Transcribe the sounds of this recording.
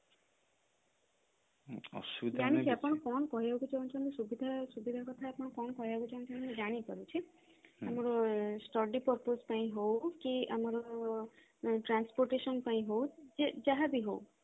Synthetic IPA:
ɔ̰sudd͡ʒaɽ̃it͡ʃʰiapɔɽ̃ɔkɔñɔkɔɦiakut͡ʃʰeũnt͡ʃʰɔ̃mesubid̪ʱasubid̪ʱakɔt̪ʰaapɔɽ̃ɔkɔnɔkɔɦiakut͡ʃʰaũnt͡ʃʰɔ̃med͡ʒaɽ̃ipɔɾut͡ʃʰi | amɔɾɔsʈɔɖipɔɾpospaĩɦowkiamɔɾɔ | ʈɾanspoɾʈesɔnpaĩɦowd͡ʒed͡ʒaɦabiɦow

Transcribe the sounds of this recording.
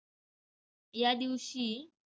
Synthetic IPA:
jad̪iwɕi

